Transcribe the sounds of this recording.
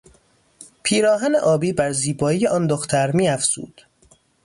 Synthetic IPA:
pʰiːɾɒːɦænḛʔɒːbiːbæɾziːbɒːiːjeʔɒːnd̪oxt̪ʰæɾmiːæfz̥ṵːd̪̥

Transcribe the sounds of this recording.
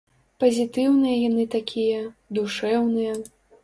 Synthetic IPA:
pɐzʲit̪ɨwnɨjɐjanɨt̪akʲʰijɐd̪uʂɛwnɨjɐ

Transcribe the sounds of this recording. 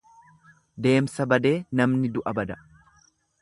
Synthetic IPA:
d̪e̞ːmsɐbɐd̪e̞ːnɐmnɪd̪ʊʔɐbɐd̪ɐ

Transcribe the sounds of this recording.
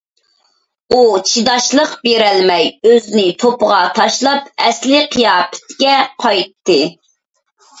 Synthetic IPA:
ut͡ʃʰid̪ɑʃlˠəqbeɾɛlmɛjøznɪt̪ʰopəʁɑt̪ʰɑʃlˠɑpɛslɪqʰijɑːpʰɪ̥t̪ɡʲɛqʰɑjt̪ʰːɨ

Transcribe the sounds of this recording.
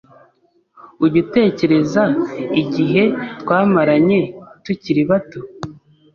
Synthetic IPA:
uɟite̞ːce̞ɾe̞zaiɟiɦe̞kwaːmaɾaɲe̞tuciɾiβato

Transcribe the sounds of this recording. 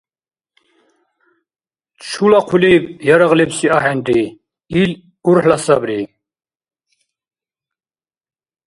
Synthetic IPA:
t͡ʃʰulaqʰulibjaɾəʁlɛbsiaɦɛnɖi | il | uɾħlasabɾi

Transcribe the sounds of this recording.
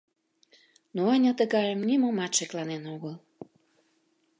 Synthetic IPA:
noɑnʲɑt̪əɣɑjəmniməmɑt̪ʃeklɑnenoɣəl

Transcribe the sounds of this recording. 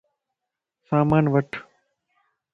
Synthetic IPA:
saːmaːnʋəʈʰ

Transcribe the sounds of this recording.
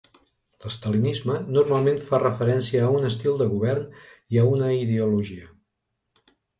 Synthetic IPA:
ləst̪əlinizmənuɾmalˠmenfarəfəɾɛnsiəːunəst̪ilˠd̪əɣuβɛrniəunəiðeuluʒiə

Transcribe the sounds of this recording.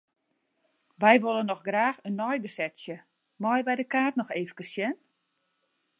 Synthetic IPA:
ʋɛjʋolˠənɔxɡraːxənːɔjɡəsɛtsjə | mɔjʋɛjdəkaːtnɔxeːvəkəsjɛn

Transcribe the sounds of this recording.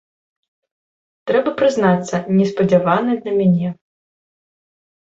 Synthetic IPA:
t̪ɾɛbɐpɾɨznat̪sːɐnʲɛspɐd͡zʲavanɨd̪lʲɐmʲanʲɛ

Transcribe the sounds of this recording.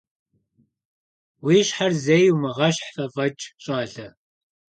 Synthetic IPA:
wiːɕħarzejumɨʁɐɕħfɐfɐt͡ʃʼɕʼaːɮɐ

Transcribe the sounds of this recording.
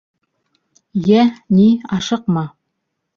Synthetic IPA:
jæniɑʃɤqmɑ

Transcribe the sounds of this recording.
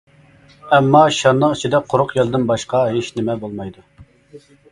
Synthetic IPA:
ɛmːɑʃɑnːəqit͡ʃʰid̪ɛqʰoɾʊqjɑlˠɨd̪ɨnbɑʃqɑɦeʃnɪmɛbolˠmɑjd̪u

